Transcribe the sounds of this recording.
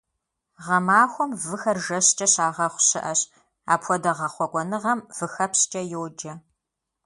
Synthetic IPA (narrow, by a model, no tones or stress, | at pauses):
ʁɐmaːxʷɔmvɨxɐrʒɐɕt͡ʃʼɐɕaːʁɐχʷʊɕɪʔɐɕ | a̰ːpʰʷɔdɐʁɐχʷɔkʷʼɔnɨʁɐmv̥ɨxɐpst͡ʃʼɐjɛwd͡ʒɐ